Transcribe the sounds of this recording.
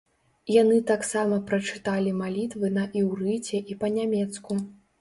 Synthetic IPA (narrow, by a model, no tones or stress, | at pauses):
janɨt̪aksamɐpɾɐt͡ʂɨ̥t̪alʲimalʲit̪vɨnɐʔiwrɨt͡sʲɛʔipɐnʲamʲɛt̪sku